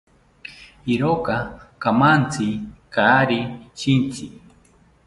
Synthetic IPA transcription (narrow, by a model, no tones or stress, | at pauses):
iɾokakamant͡sikaɾiʃint͡si